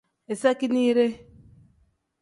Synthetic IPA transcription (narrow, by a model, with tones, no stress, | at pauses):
e˨sa˦ki˦ni˦ɾe˦